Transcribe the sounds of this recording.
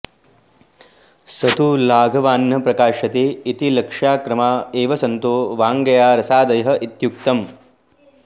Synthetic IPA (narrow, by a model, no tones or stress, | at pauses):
sɐt̪ulaːɡʱɐʋaːnːɐpɾɐkaːʃɐt̪eːit̪ilɐkʂaːkɾɐmaːeːʋɐsɐnt̪oːʋaːŋɡɐjaːɾɐsaːd̪ɐjɐɦɐ̆ʔit̪juk̚t̪ɐm